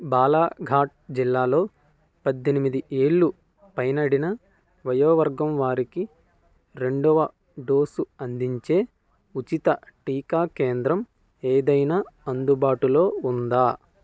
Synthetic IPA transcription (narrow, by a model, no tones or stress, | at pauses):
baːlaːɡʱaːʈ̚d͡ʒilːaːlo̞ː | pɐd̪ːenimid̪iʔeːɭːu | pɐjnɐɽinɐ | ʋɐjɐːʋɐɾɡɐmʋaːɾiki | ɾe̞ɳɖɔʋɐ | ɖo̞ːsuɐnd̪iɲt͡ʃe̞ː | ut͡ʃit̪ɐʈiːkaːkeːnd̪ɾɐm | eːd̪ɐjnaːɐnd̪ubaːʈulo̞ːund̪aː